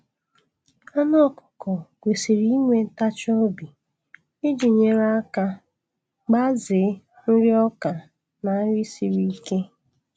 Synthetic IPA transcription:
a˦nɔ˦kʊ̥˨kɔ˨ɡʷe˨si˨ɾi˦ŋʷe˨n̩˦ta˦t͡ʃɔ˦bi˨ | ɪ˦d͡ʒi˨ɲe˨ɾa˦ka˦ | ɡ͡ba˦zɪ˨˦ | n̩˦ɾɪ˦ɔ˦ka˨ | na˨˦ɾi˦si˨ɾi˦i˦ke˦

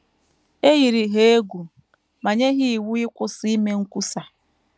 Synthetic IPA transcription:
e˦ɣi˨ɾi˨ɦe˦e˦ɡʷu˨ | ma˨ɲe˦ɦi˦i˨wu˦ɪ˦kʷʊ˦si˦me˦ŋ̩˦kʷu˦sa˨

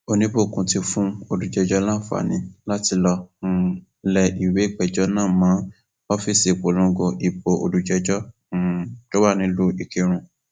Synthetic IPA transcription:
o˧nĩ˦bo˦˨kũ˧ti˧fũ˦o˧du˧d͡ʒɛ˧d͡ʒɔ˦lã˦fa̰˨nĩ˧˦la˦ti˧lɔ˧ũ˧ | lɛ˧i˨we˨˦k͡pɛ˦˨d͡ʒɔ˦nãː˦˨mã˨˦ | ɔ˦fi˦˨si˨k͡po˨lɔ̃˨˦ɡɔ̃˧ʔi˨k͡po˨ʔo̰˧du˧d͡ʒɛ˧d͡ʒɔ̃˦˨ | d͡ʒo˦wa˦˨nĩ˧˦lu˦i˧ki˧ɾ̃ũ˧

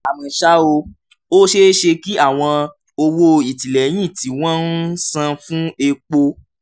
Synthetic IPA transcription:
a˨mĩ˨ʃa˦o˧ | o˦ʃe˦ʃe˧ki˦a˦˨w̃ɔ̃˧ | o˧wo˦i˨ti˨lɛ˨˦j̃ĩ˦˨ti˨˦w̃ɔ̃˦n˦sã˧fũ˦e˧k͡po˧

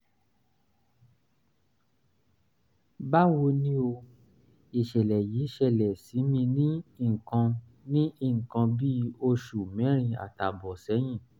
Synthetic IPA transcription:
ba˦wo˧nĩ˦o˧ | i˨ʃɛ˨lɛ˨ji˨˦ʃɛ˦˨lɛ˨si˨˦mĩ˧nĩ˦i˦˨ŋ̩˨kã˧ | nĩ˦i˦˨ŋ̩˨kã˧bi˦o˧ʃu˨mɛ̃˨˦ɾ̃ĩ˧a̰˨ta˨bɔ˨sɛ˨˦j̃ĩ˦˨

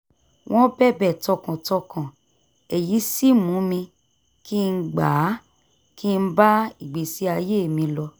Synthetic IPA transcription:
w̃ʔɔ̃˦bɛ˦˨bɛ˦˨tɔ˧kã˨tɔ˧kʰã˨ | ɛ˨ji˨˦si˦mũ˨˦mĩ˧ | ki˦˧n̩˦ɡ͡ba˨˦ | ki˦˧n̩˦ba˦i˨ɡ͡be˨si˨˦a˧je˦˨mĩ˧lɔ˧

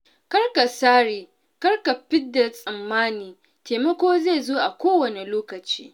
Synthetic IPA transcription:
kɐ˦ɽka˨saː˦ɽiː˨ | kɐ˦ɽka˨ɸɪ˦dːa˨sʼɐ˨mːaː˦niː˨ | teː˨mɐ˦kʷoː˦ze˦˨zoː˦ʔa˨kʷoː˦wɐ˨ne˨loː˦kɐ˨t͡ʃḭː˦

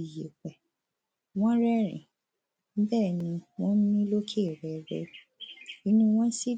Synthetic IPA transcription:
i˨je˨k͡pɛ˨ | w̃ɔ̃˦ɾɛ˦ɾḭ̃˨ | m̩˦bɛ˦˨nĩ˧˦w̃ɔ̃˦n̩˦nĩ˦lo˦kʰe˦˨ɾɛ˨ɾɛ̰˦˨i˨˦nũ˧w̃ɔ̃˦n̩˦si˦

